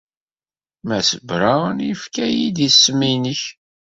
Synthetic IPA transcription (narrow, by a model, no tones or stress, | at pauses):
mæsəbɾanjəfkæjid̪isːəmːinəç